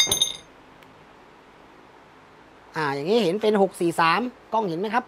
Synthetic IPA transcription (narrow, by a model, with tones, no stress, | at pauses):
ʔaː˨˩jaː˨˩ŋiː˦˥he˩˦npe˧nho˨˩k̚siː˨˩saː˩˦mkɔ˥˩ŋhe˨˩˦nma˦˥jkʰa˦˥p̚